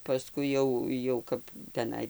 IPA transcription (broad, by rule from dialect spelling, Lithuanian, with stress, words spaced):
pɐˈskʊɪ jɛʊ jɛʊ ˈkɐp tʲɛˈnɐɪ